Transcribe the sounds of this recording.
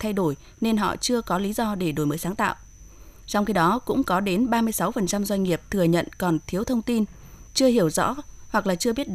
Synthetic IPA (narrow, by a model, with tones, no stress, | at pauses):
t̪ʰa˧jɗo˧˩j | ne˧nɦɔ̰˧˨t͡ɕɨ˧əkɔ˨˦li˨˦zɔ˧ɗe˧˩ɗo˧˩jməː˨˦jsaː˨˦ŋt̪a̰ː˧˨wʔ | t͡ɕɔ˧wŋ͡mxi˨˦ɗɔ˨˦kʊ̰˧˥ŋ͡mkɔ˨˦ɗe˨˦nɓaː˧mɨ˧əjsa˨˦wfə˨˩nt͡ɕa˧mzwa˧jŋ̟ŋi˨˩əp̚t̪ʰɨ˨˩əɲə̰˧˨nkɔ˨˩nt̪ʰi˨˦əwt̪ʰə˧wŋ͡mt̪i˧n | t͡ɕɨ˧əhi˧˩əwzɔ̰˧˥hwa˨˩k̚laː˨˩t͡ɕɨ˧əɓi˦˥ət̚ɗ